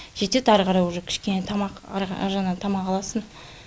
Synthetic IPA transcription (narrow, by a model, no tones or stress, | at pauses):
ʒ̥e̞t̪e̞t̪ɑɾqɑɾɑjwʊʒokʲʰɪ̥ʃkʲe̞net̪ʰɑmɑqɾɑ̰ʒɑnɑt̪ʰɑmɑqɑlˠɑsən